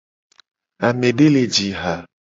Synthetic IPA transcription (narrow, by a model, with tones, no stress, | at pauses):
a˨me˨ɖe˦le˨d͡ʒi˨ɦa˨